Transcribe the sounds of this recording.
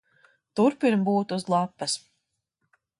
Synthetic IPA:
t̪uɾpiɾmbuːt̪uzlˠapːɐs

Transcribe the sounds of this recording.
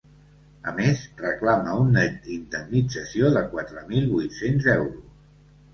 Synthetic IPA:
ə̰mezrəklaməunːəd̪ind̪əmnid͡zəsioðəkwat̪ɾəmilˠβujt̪senzɛwɾus

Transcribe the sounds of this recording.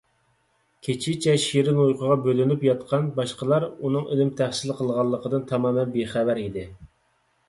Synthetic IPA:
kʲʰet͡ʃʰɪt͡ʃʰɛʃiɾɪnujqʰəʁɑbølynypjɑt̪qʰɑnbɑʃqəlˠɑɾunɨŋilɪmt̪ʰæχsɪlqʰəlˠʁɑlˠːəqʰəd̪ɨnt̪ʰɑmɑːmɛnbeχævæɾid̪ɪ

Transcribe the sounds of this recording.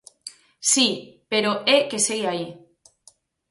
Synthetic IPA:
sipeɾoeke̞seɣeai

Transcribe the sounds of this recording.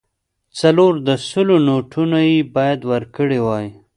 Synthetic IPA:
t͡saloɾd̪əsʊlonoʈʰunajebɑjad̪wəɾkəɽewɑj

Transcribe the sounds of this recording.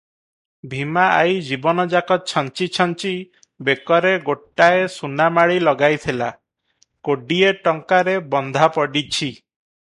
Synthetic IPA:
bʱimaajd͡ʒibɔnɔd͡ʒakɔt͡ʃʰɔnt͡ʃit͡ʃʰɔnt͡ʃi | bekɔɾeɡoʈːaesunamaɭilɔɡajt̪ʰila | koɖieʈɔŋkaɾebɔnd̪ʱapɔɖit͡ʃʰi

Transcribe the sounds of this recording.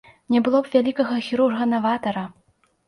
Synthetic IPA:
nʲɛbɨlˠɔpvʲalʲikɐɣɐxʲiɾurɣɐnavat̪ɐɾɐ

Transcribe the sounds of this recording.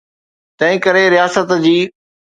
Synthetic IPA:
t̪ɐ̃ɦɪ̃kəɾeɾɪjaːsət̪d͡ʑiː

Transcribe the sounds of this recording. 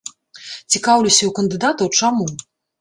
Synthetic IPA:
t͡sʲikawlʲusʲɐwkɐnd̪ɨd̪at̪ɐwt͡ʂamu

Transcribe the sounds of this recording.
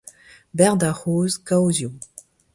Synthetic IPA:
bɛʁd̪aχoːzkawzju

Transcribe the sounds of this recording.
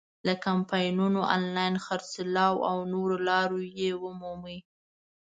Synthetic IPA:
ləkampɑjnunoʔɑ̰nlɑjnxaɾsɪlɑwawnoɾolɑɾojewəmumi

